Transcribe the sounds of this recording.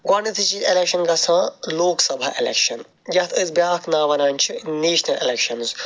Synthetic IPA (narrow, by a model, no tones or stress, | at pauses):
ɡɐnit̪ʰɨt͡ʃielekʃɐnɡɐsʰãːloːksɐbʱaʔḛlḛkʃɐn | jɐt̪ʰɨzbjaːknaːʋɐnãːnʲt͡ʃʰiniːʃnɐʔelekʃɐnz